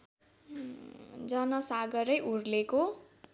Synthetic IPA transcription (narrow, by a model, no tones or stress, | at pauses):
d͡zʌnʌsaɡʌɾʌjʔurleko